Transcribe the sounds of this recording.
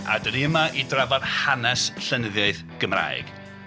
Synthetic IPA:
a̰dəniəmaʔidravɔð̥hanɛsɬənəðjaɨð | ɡ̥əmra̰j̰ɡ̥

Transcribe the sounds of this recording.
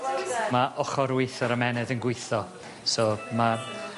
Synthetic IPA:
maʔɔχɔɾwɪjθɔɾəmɛnɛðənɡwʊɨθɔ | soma

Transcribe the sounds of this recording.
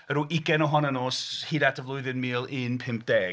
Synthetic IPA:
əɾuːʔɪɡɛnɔɦɔnənoːshiːdadəvlˠʊɨðɨnmiːlˠɪnpʰɪmp̚ʰd̥ɛː

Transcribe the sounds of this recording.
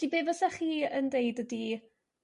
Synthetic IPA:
d̥ibeːvɔsɛχiːəndeɨdədi

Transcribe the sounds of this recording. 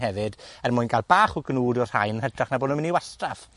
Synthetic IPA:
ɦɛvɨdɛrmʊjnɡalbaːχɔɡənuːdɔr̥ha̰jnədraχnaboːdnʊnmɪniwastraf

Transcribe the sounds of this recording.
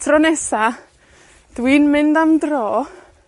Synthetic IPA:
tʰrɔnɛsa | d̥wiːnmɪndamdrɔː

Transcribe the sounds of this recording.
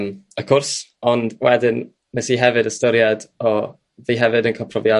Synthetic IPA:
məkʰʊrsɔndwɛdɪn | mɛsiɦɛvɨdəstɔɾjadɔ | ðiɦɛvɨdənkʰɔpʰrɔvja

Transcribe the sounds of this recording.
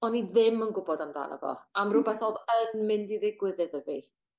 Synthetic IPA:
ɔniðɪmənɡʊbɔdamda̰ːnə̰vɔ̰amrʊbɛθɔðənmɪndiðɪɡwɪðɨðəvi

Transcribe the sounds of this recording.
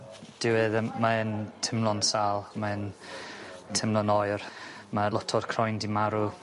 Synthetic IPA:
d̥ɪwɨðmaəntʰɪmlˠɔnsaːlˠmaən | tʰɪmlˠɔnɔjrmalˠɔtʰɔrkʰrɔjndimaɾu

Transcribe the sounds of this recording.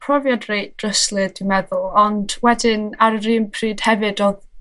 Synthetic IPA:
pʰrɔvjadrejd̥rəslˠɨdimɛðʊlˠɔndwɛdɪnaɾəɾiːnpʰriːd̥hɛvɨdɔð

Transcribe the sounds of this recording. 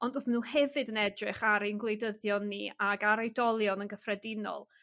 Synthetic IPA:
ɔndoðmnuːhɛvɨdənɛdrɪχaɾejnɡlˠejdəðjɔnːiaɡaɾajdɔlˠjɔnənɡəfrɛdɪnɔ̰lˠ

